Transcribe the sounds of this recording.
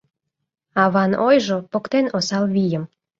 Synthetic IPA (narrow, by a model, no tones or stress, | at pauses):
ɑβɑnojʒopokt̪enosɑlβijəm